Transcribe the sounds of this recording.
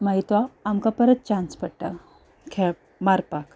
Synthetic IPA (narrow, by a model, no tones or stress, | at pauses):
maɦit̪ʋaːmkapəɾət̪̚t͡ɕãnspəɽʈa | kʰɛ | maɾpak